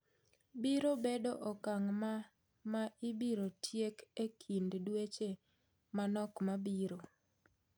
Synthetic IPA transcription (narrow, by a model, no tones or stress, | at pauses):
biɾobedoʔɔkaŋma | maibiɾotʰjekekʰinddwet͡ʃe | manɔkmabiɾo